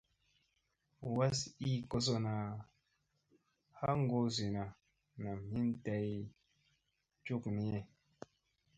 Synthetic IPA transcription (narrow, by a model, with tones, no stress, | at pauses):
wa˦si˦ko˧s̬o˨na˨ | ha˦ŋ˦ɡo˦zi˨na˨ | na˨mi˦n˦ta˦j | t͡ʃu˦˨kni˨˦e˦